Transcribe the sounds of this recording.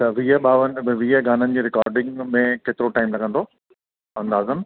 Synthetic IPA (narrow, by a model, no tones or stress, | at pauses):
t̪ɐʋiəɓaːʋənʋiəɡaːnənɪ̆d͡ʑeːɾɪkaːɾɖɪ̃ŋɡmẽkeːt̪ɪɾoʈaːɪmlɐɡə̃nd̪oː | ɐ̃nd̪aːzəm